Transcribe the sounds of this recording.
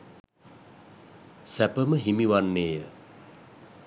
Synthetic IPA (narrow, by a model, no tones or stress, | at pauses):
sæpəməɦimiʋanːeːjə